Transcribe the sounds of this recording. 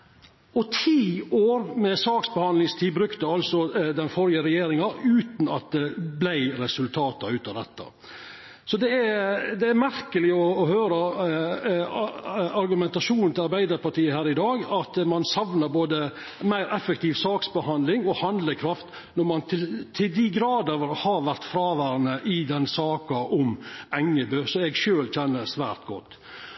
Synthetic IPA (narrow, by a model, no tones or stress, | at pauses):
ɔt̪ʰiːoːɾmɛsɑːksbəhɑnlɪŋst̪ʰiːbɾʉkt̪əɑlsɔd̪ɛnfɔɾɪəɾɛjeːɾɪŋɑʔʉːt̪n̩ɑt̪̚d̪ɛblæɪɾɛsʉlt̪ʰɑːt̪ɑʉːt̪ɑd̪ɛ̰t̪ːɑ̰ | sɔd̪ɛæd̪ɛæɾmæɾkəlɪɔːhøːɾə | ɑɾɡʉmɛnt̪ɑʂuːnn̩t̪ʰɪlɑɾbæɪd̪əɾpɑʈ̪iːəhæːɾɪd̪ɑːɡɑt̪mɑnsɑʋnəɾboːd̪ə | mæɪɾɛfɛk̚t̪ʰiːʋsɑːksbəhɑnd̪lɪŋɔhɑnd̪ləkʰɾɑft̪ | nɔɾmɑnt̪ʰɪlt̪ʰɪld̪ɪɡɾɑːd̪əʋɾhɑɾʋæɾt̪fɾɑːʋæːɾənəʔɪd̪ɛnsɑːkɑʔɔmɛŋːəbøːsɔɛɡʂøːlc͡çɛnːəɾsʋæ̰ːɾt̪ɡɔ̰t̪ː